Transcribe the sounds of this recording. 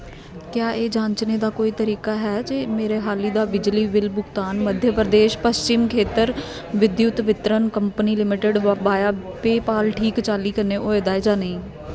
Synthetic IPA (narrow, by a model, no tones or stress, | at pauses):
kjaːʔeːd͡ʒãːɲt͡ʃneːd̪aːkoːiːt̪əɾiːkaːɦɛːd͡ʒemeːɾeːɦaːliːd̪aːbɪd͡ʒliːʋɪlbʊɡt̪aːnməd̪ʱjəpəɾəd̪eːʃpəst͡ʃɪmkʰeːt̪əɾ | ʋɪd̪jʊt̪ʋɪt̪ɾənkəmpəniːlɪmɪʈəɖʋəbaːjaː | peːpaːlʈʰiːkt͡ʃaːliːkəneːʔoːeːd̪aːed͡ʒaːnəĩː